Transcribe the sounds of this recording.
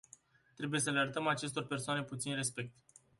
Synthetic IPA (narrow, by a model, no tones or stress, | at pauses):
t̪ɾe̞buje̞səleaɾət̪əmat͡ʃe̞st̪o̞rpe̞rsoane̞put̪sinre̞spe̞k̚t̪